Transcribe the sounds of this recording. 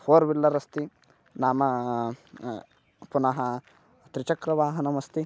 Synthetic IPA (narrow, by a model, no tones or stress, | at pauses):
fʰoːɾʋilːɐɾɐst̪i | naːmɐ | punɐɦɐ | t̪ɾit͡ʃɐkɾɐʋaːɦɐnɐmɐst̪i